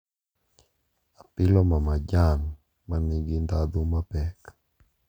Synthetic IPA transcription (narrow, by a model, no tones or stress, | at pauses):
apɪlɔmamad͡ʒan | maniɡind̪ad̪umapɛk